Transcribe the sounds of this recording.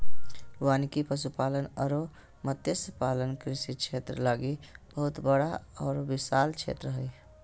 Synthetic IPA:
uaːnikipəsupaːlənəɾo | mət̪jəspaːlənkɾɪsikt͡ʃʰeːt̪ɾəlaɡib̥əɦʊt̪bəɽaɔːɾbɪsaːlt͡ʃʰḛːt̪ɾəɦəi

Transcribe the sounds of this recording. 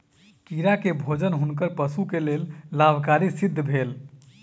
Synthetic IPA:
kiɾakebʱod͡ʒənɦunkəɾpəsukelellabʱkaɾisid̪ʱːəbʱel

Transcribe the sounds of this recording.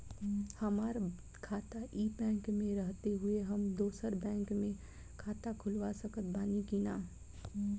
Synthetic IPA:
həmaɾ | kʰaːt̪aʔibɛ̃ːŋkmẽɾəɦt̪eɦueɦəmd̪oːsəɾbɛ̃ːŋkmẽ | kʰaːt̪akʰʊlʋasəkət̪̚baːnikinaː

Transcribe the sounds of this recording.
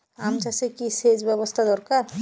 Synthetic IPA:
amt͡ʃasekised͡ʑbɛbost̪ʰad̪ɔɾkaɾ

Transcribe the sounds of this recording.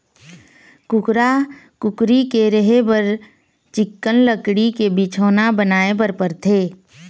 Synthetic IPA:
kʊkɾakʊkɾikeɾəɦebəɾ | t͡ʃɪkːənləkɽikebit͡ʃʰoːnabənaːebəɾpəɾt̪ʰeː

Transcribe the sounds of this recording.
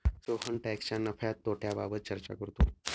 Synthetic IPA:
sokʰəɳʈɛkst͡ɕanːəfʰjat̪ːoʈʰjababət̪̚t͡ɕəɾt͡ɕa̰kəɾt̪o

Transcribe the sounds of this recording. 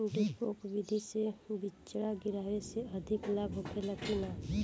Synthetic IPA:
ɖekokbɪd̪ʱisebɪt͡ʃɽaɡɪɾaːʋeseɐd̪ʱɪklaːbʱɦokeləkinaː

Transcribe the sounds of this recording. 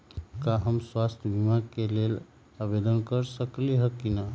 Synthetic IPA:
kaɦəmswast̪ʰjəbʱimakelel | abed̪ənkəɾsəkliɦəkːina

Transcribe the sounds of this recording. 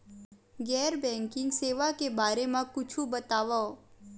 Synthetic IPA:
ɡɛɾbɛ̃ŋkɪ̃ŋɡseʋakebaɾemãkʊt͡ʃʰũbət̪aʋa

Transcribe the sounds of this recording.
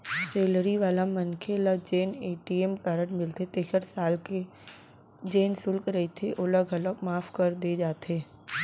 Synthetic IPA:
seːlɾiʋaːlamɐnkʰelad͡ʒeːneːʈiɛmkaːɾəɽmɪlt̪et̪eːkəɾsaːlke | d͡ʒeːnsʊlkɾɐet̪ʰeʔoləɡʱɐləkmaːfʰkɐɾd̪ed͡ʒaːt̪eː

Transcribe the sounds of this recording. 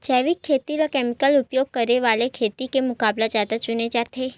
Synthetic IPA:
t͡ʃɛʋikʰːet̪ilakɛmikəlupjoɡ̚kəɾeʋalekʰet̪ikemukablad͡ʒat̪at͡ʃuned͡ʒat̪ʰe

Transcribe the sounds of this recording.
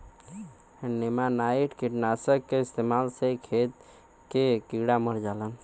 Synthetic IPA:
nemanaiʈkiʈnasəkːeist̪emalsekʰet̪ | kekiɡɽaməɾd͡ʒalən

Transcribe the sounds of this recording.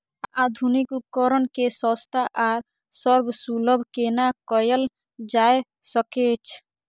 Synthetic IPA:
ad̪ʱunikupkɔɾɔnkesɔst̪ʰaʔaɾ | sɔɾbsulɔbʱkenakɔjɔl | d͡ʒae | sɔket͡ʃʰ

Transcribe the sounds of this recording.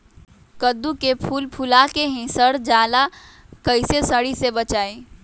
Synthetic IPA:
kəd̪ukepʰuːlpʰʊlakeɦɛ̃səɾd͡ʒaːla | kəɪsesəɽisebət͡ʃaːe

